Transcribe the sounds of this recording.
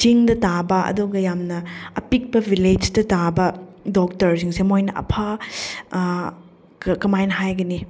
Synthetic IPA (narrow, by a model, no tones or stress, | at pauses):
t͡ʃiŋdɐtabɐɐ̰duɡɐjamnɐɐ̰pik̚bɐbʱiled͡ʒtɐtabɐdok̚tɐɾsiŋsemojnɐʔɐ̰pʰa | kɐmajnɦajɡɐni